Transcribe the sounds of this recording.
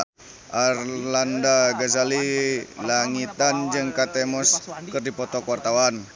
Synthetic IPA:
ʔarlandaɡazalilaŋit̪and͡ʒɨŋkat̪ɛmɔskɨrdipɔt̪ɔkowart̪awan

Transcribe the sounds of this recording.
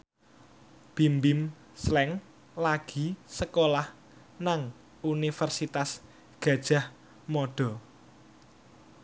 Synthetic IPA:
b̥i̤mbɪm | slɛŋ | laɡ̥i̤səkolah | naŋ | unifərsit̪as | ɡ̥a̤d̥ʒ̥a̤h | mɔɖ̥ɔ̤

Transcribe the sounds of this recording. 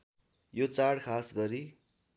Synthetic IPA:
jot͡saɽkʰasɡʌɾi

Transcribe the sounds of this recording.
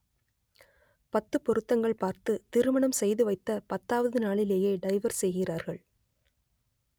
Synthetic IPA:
pɐt̪ːɯpɔɾɯt̪ːɐŋɡɐɭpaːɾt̪ɯt̪ɪɾɯmɐɳɐmsɛjðɯʋɐɪt̪ːɐpɐt̪ːaːʋɐðɯnaːɭɪleːjeːɖɐɪʋɐɾsɛjɣɪraːɾɣɐɭ

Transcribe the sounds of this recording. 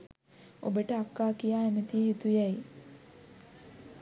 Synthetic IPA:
o̰bəʈəakːaːkijaːemət̪iɦit̪ujaji

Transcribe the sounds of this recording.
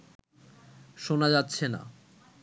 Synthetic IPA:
ʃonad͡ʑatːɕʰena̰

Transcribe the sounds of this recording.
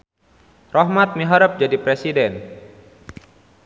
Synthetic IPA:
rɔɦmat̪̚miɦaɾəp̚d͡ʒadipɾɛsidɛn

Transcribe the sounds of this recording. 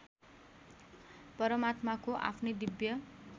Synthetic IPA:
pʌɾʌmat̪makoʔa̰pʰnʌd̪ibjʌ

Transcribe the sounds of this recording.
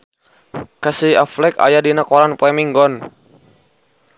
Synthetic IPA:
kasiaflɛka̰jadinakɔɾanpwɛmiŋɡɔn

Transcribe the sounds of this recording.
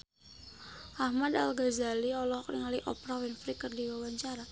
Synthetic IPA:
ʔahmadalɡazaliɔlɔhkriŋaliʔɔpɾawɛnfɾikərdiwawaɲt͡ʃaɾa

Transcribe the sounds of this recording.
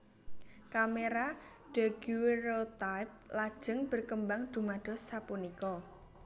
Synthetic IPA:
kameɾa | ɖ̥a̤ɡ̥uweɾot̪ajp̚lad̥ʒ̥ə̤ŋb̥ə̤rkəmbaŋd̪̥umad̥ɔ̤sapunikɔ

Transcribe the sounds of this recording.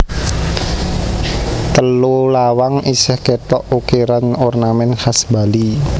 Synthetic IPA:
t̪əlulawaŋʔisɛhkɛt̪ɔʔukeɾanɔrnamɛnhasbali

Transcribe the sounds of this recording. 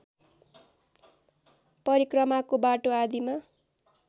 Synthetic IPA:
pʌɾikrʌmakobaʈoad̪ima

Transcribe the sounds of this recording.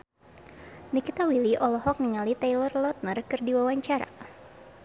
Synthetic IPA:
nikit̪awiliʔɔlɔɦɔk̚niŋalit̪ajlɔrlɔt̪̚nərkɨrdiwawaɲt͡ʃaɾa̰

